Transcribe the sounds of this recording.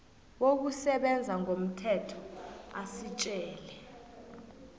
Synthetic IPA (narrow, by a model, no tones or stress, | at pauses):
wok̬usɛɓɛnd͡zʱaŋom̩tʰɛtʰɔ̥asit͡ʃʼɛːlɛ